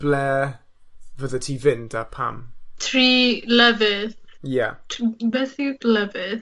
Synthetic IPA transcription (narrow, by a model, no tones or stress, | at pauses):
b̥lɛ | vəðətʰiːvɪndapʰa̰mtʰriːləvɪθja̰tʰbɛθiləvɪθ